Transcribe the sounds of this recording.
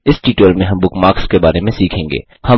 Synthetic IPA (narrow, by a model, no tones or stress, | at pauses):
ɪsʈiːʈelmẽɦɐ̃mbʊkmaːkskebaːɾemẽsiːkʰẽːŋɡḛː | hɐ